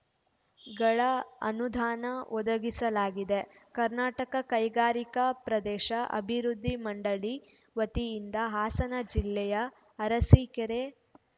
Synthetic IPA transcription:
ɡɐɭɐɐ̰nud̪ʱaːnɐʔɔd̪ɐɡisɐlaːɡid̪e̞kɐɾnaːʈɐkɐkɐjɡaːɾikɐpɾɐd̪ɛːʃɐʔɐ̰bʱiɾud̪ʱːimɐɳɖɐɭi | ʋɐt̪iːnd̪ɐɦaːsɐnɐd͡ʒilːɛjɐː | ɾɐsikeɾe

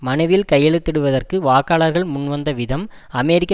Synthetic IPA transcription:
mɐnɐɪʋɪlkɐjːɛɭɯt̪ːɪɽɯʋɐðɐrkɯʋaːkːaːɭɐɾɣɐɭmʊnʋɐnd̪ɐʋɪðɐm | ɐmɛɾɪkː

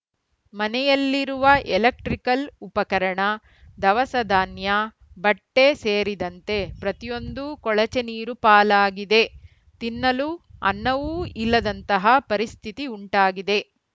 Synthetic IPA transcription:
mɐnɛjɐlːiɾuʋɐʔelɐk̚ʈɾikɐlupɐkɐɾɐɳɐ | d̪ɐʋɐsɐd̪ʱaːnjɐ | bɐʈːe̞seːɾid̪ɐnt̪e̞pɾɐt̪ijo̞nd̪ukɔɭɐt͡ʃeniːɾupaːlaːɡid̪e̞ | t̪inːɐluɐ̰nːɐʋuilːɐd̪ɐnt̪ɐɦɐpɐɾist̪ʰit̪iuɳʈaːɡid̪e̞

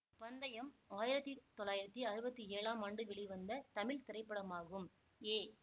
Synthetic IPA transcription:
pɐnd̪ɐjɐmaːjɪɾɐt̪ːit̪ːɔlːaːjɪɾɐt̪ːiɐɾɯbɐt̪ːieːɭaːmaːɳɖɯʋɛɭɪʋɐnd̪ɐt̪ɐmɪɭt̪ɪɾɐɪpːɐɽɐmaːɣɯm | eː

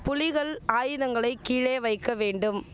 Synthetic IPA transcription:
pʊlɪɣɐɭaːjɯðɐŋɡɐɭɐɪkːiːɻeːʋɐɪkːɐʋeːɳɖɯm

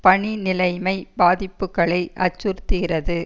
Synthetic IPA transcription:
pɐɳinɪlɐɪmɐɪbaːðɪpːɯkːɐɭɐɪʔɐ̰t͡ʃːʊɾt̪ːɯɣɪrɐðɯ

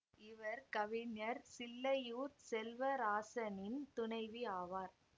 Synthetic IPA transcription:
ɪʋɐɾkɐʋɪnɐɾsɪlːɐjuːt̪sɛlʋɐɾaːsɐnɪnt̪ʊɳɐɪʋiaːʋaːɾ

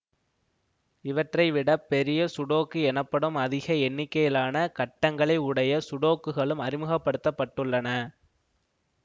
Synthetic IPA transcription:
ɪʋɐʈrɐɪʋɪɽɐpːɛɾɪjɐsʊɽoːkːɯɛnɐpːɐɽɯmɐðɪɣɐɛnːɪkːɐjɪlaːnɐkɐʈːɐŋɡɐɭɐɪʊɽɐjɐsʊɽoːkːɯɣɐɭɯmɐɾɪmɯɣɐpːɐɽɯt̪ːɐpːɐʈːɯɭːɐnɐ

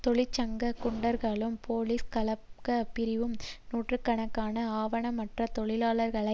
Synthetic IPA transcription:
t̪ɔɭɪt͡ʃːɐŋɡɐkʊɳɖɐɾɣaɭɯmpoːliskɐlɐpkɐpɪɾɪʋɯmnuːʈrɯkːɐɳɐkːaːnɐaːʋɐɳɐmːɐʈrɐt̪ɔɭɪlaːlɐɾɣɐɭɐ

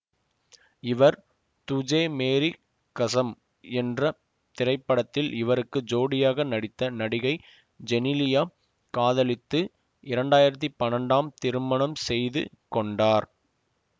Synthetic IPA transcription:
ɪʋɐɾ | t̪ʊd͡ʒeːmeːɾi | kɐsɐm | ɛndrɐ | t̪ɪɾɐɪpːɐɽɐt̪ːɪlɪʋɐɾɯkːɯd͡ʒoːɽɪjaːɣɐnɐɽɪt̪ːɐnɐɽɪɣɐɪ | d͡ʒɛnɪlɪjaː | kaːðɐlɪt̪ːɯ | ʔɪɾɐɳɖaːjɪɾɐt̪̬ːipɐnɐɳɖaːmt̪ɪɾɯmɐɳɐmsɛjðɯ̰ | kɔɳɖaːɾ

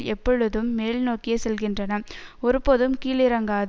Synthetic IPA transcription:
lɛpːɔɻɯðɯmːeːlnoːkɪjɐsɛlɣɪndrɐnɐɔɾɯpoːðɯmkiːlɪɾɐŋɡaːð

